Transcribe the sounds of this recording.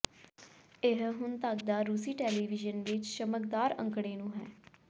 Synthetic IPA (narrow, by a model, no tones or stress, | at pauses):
ɪɦɦʊnt̪əkd̪aːɾuːsiːʈɛːliːʋɪd͡ʒənʋɪt͡ʃʃəməkd̪aːɾə̰̃ŋkɽeːnũːɦɛː